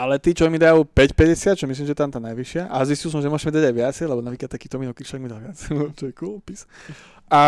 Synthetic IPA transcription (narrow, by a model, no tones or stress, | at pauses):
alɛt̪iːt͡ʃɔmid̪ajupɛcpɛɟɛsɪat̪t͡ʃɔmisliːmʒɛt̪amt̪aːnajʋiʃɪaʔazʋiscilˠs̬ɔmʒɛmʊɔʒɛmid̪aɟajʋɪat͡sɛjlɛbɔnapɾikat̪t̪akiːt̪ɔminɔkit͡ʃlɔʋɛɡmid̪alʋɪat͡st͡ʃɔɛkulpis | ʔa